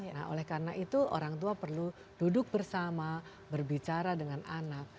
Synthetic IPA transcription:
na̰ɦo̰lɛhkaɾənaʔit̪uʔo̰ɾaŋt̪uapərlu | d̥udʊk̚bərsama | bərbit͡ʃaɾadəŋanʔanak̚

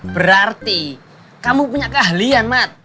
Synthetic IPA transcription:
b̥əɾart̪i | kamupuɲakəɦalianmat̪̚

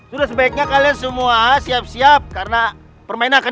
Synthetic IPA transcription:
sudasəbaik̚ɲakaliansəmuasiap̚siap̚kaɾəna | pərmainanaka

